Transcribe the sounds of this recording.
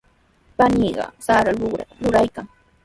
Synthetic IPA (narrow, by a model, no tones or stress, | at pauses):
paniːɢɑ̰saɾalʊɢɾa̰ɾʊɾajkaŋ